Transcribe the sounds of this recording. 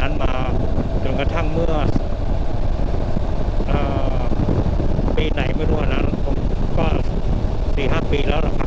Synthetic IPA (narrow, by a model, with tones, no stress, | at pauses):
a˦˥nmaː˧ | t͡ɕo˧nka˧t̪ʰa˥˩ŋmɯ˥˩ɐ | ʔaː˨˩ | piː˧na˨˩jma˥˩jɾu˦˥˩aː˨˩na˦˥n˧t̪ʰo˧˩kɔː˥˩ | siː˨˩ɦaː˥˩piː˧lɛː˦˥wla˥˩a˧˩